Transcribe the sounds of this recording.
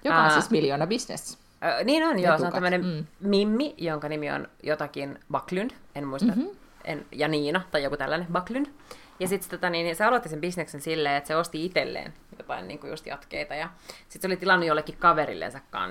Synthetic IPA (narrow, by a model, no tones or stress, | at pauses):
joɑesmiljoːnɑbisnḛs | niːnonjoːseonæmːənemmimːijoŋkɑnimio̰njot̪ɑkinbɑklynd̥enmuist̪ɑ | ḛnjɑniːnɑt̪ɑjokut̪ælːænebɑklynd̥ | jɑsit̪t̪ot̪ɑniːnseɑlot̪ːisembisneksensilːeːet̪seost̪iit̪elːḛːnmit̪æpɑ̰nʲnḭːŋkujṵst̪jɑ̰t̪kḛit̪ɑjɑsit̪seolit̪ilɑnːujolːekːikkɑʋeɾḭlːḛnsɑkːɑ̰ːn